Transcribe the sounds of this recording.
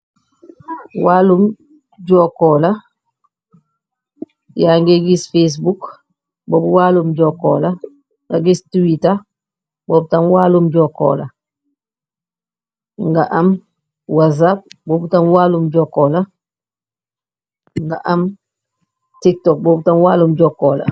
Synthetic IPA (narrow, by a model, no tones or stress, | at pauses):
walum | ɟɔkɔːla | jaŋɡeɡisfes̬buk | boːbuwaːlumɟɔko̰la | ŋɡaɡistuwita | boːb̚tanwaːlumɟɔko̰ːla | ŋɡaʔam | wazap̚bobutamwaːlumɟɔːkoːla | ŋɡaʔam | tik̚tɔk̚boːbutanwaːlumɟɔkɔːla̰